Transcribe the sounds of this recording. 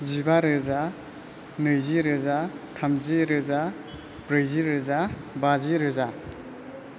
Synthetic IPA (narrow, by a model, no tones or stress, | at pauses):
zibaɾɯza | nɯjziɾɯzatʰamziɾɯza | bɾɯjziɾɯza | baziɾɯza